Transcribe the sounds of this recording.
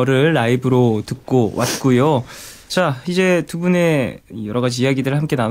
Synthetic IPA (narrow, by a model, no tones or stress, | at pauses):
ɾɯɭːaibɯɾotɯk̚k͈owʔat̚k͈ujo | t͡ɕaid͡ʑe̞tubune̞ijʌɾʌɡad͡ʑiːjaɡidɯɾɯɭhamk͈e̞nan